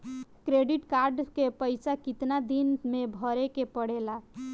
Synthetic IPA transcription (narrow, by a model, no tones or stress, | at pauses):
kɾeɖiʈkaɾɖkepəɪsakit̪nad̪inmebʱəɾekepəɽela